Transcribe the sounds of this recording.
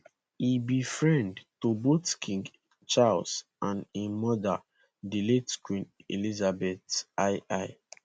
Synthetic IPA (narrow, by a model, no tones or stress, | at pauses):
ibifɹɛ̃ndtobotkʰĩŋɡ | t͡ʃalsʔãnemɔda̰ | diletkwĩnḛlizabɛtaɪʔaɪ